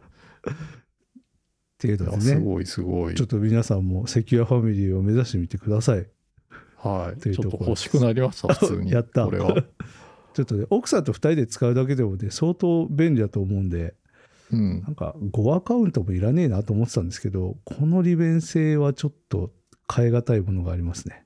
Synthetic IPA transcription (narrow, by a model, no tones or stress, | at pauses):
t̪ejɯ̟d̪od̪eneɡo̰isɨɡoḭt͡ɕo̞t̪ːo̞mʲinasãmːo̞se̞kʲɨɾaɸamʲiɾʲiːo̞me̞zaɕi̥t̪e̞mʲit̪e̞kɯ̟d̪asai | hait̪e̞iɯ̟ot̪ok̪ːooooɕi̥kɯnaɾʲimaɕt̪aɨ̰ːɲijat̪ːaoɾeβ | t͡ɕo̞t̪ːone̞ʔo̞kɯ̟̥sãnt̪̬o̞ɸɯ̟̥t̪aɾʲid̪e̞t͡sɨ̥kaɯ̟d̪ak̬e̞d̪e̞mo̞ne̞so̞ːt̪o̞ːbẽ̞nʲɾʲid̪at̪oːmo̞ɯ̃nd̪e̞ | ɯ̃nãŋka̰ɡo̞akaɯ̟̃nt̪o̞mo̞iɾane̞inat̪o̞ːmot̪et̪ãnd̪e̞sɨ̥ke̞d̪o̞kʰo̞no̞ɾʲibẽ̞ɰ̃se̞ːβat͡ɕo̞t̪ːo̞̰ | kʰaeɡat̪aimo̞no̞ɡaːɾʲimasɨne̞